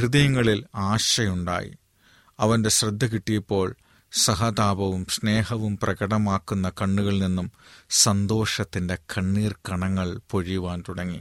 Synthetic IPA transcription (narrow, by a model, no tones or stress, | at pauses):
hrɨðɐjɐŋːɐɭilaːɕɐjuɳɖa̰ːjḭ | ɐʋɐnde̞ɕrɐd̪ʱːɐkiʈːijɐpːo̞ːɭ | sɐɦɐd̪aːbɐʋumsne̞ːɦɐʋumprɐɡɐɽɐmaːkːunːɐkɐɳːuɣɐɭninːumsɐnd̪o̞ːʂɐt̪ːinde̞kʰɐɳːiːrkɐɳɐŋːɐɭpo̞ɻijuʋaːnt̪uɽɐŋːḭ